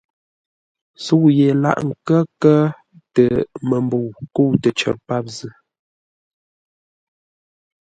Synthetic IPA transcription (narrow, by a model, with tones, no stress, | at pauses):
su˦˨je˨la̰˦ʔŋ̩˨kə˦kə˦ | tə˨mə˨mbu˨ku˦˨tə˨t͡ʃə̰˨ɾpa˦p̚zə˦